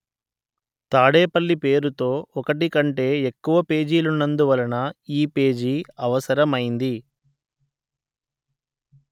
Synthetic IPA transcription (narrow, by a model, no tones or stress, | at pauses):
t̪aːɽeːpɐɭːipe̞ːɾut̪o̞ːɔkɐʈikɐɳʈe̞ːekːuʋɐpe̞ːd͡ʒiːlunːɐnd̪uʋɐlɐnɐiːpe̞ːd͡ʒiɐʋɐsɐɾɐmɐjind̪i